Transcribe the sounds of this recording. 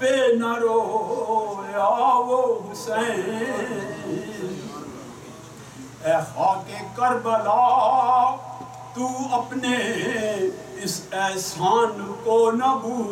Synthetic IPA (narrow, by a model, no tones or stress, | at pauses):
peːnɐɾoː | aʋoɦsɛ | ɛhaːkekəɾbəlaː | t̪uɐpne | ɪsɛːsaːnkonɐbu